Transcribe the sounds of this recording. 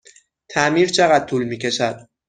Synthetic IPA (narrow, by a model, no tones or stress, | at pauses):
t̪ʰæmiːɾt͡ʃʰeɣæd̪̥̚t̪ʰuːlmiːcʰe̞ʃæd̪̥̚